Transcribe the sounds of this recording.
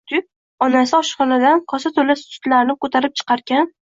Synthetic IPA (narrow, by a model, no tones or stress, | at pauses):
t̪ʰʊ | ɒnasɪɒʃχɒnad̪anqʰɒsat̪ʰolast̪ʊ̥t̪laɾnɪp̚kʰɵt̪ʰaɾɪp̚t͡ʃʰɨ̥qɑɾɡʲan